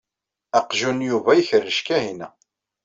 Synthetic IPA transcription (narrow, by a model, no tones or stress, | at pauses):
æqʒunjuvæjəçərːəʃkæhinæ